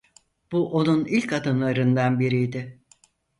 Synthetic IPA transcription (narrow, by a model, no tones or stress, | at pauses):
b̥uʔo̞nunilʲkad̪ɯnlˠaɾɯnd̪anbiɾijd̪ɪ